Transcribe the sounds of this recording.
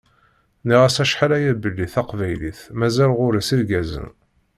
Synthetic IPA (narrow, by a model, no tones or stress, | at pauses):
niʁæsæʃħalæjæbəlːiθæqvæjlḭθmæzælʁʊɾisiɾɡæzə̰n